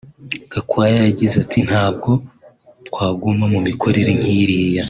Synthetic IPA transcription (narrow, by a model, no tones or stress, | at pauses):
ɡ̥akwaːjajaɟizatʰin̥haːb̚ɡo̞ | tkwaːɡumamumikʰo̞ɾe̞ɾemjiːɾiːja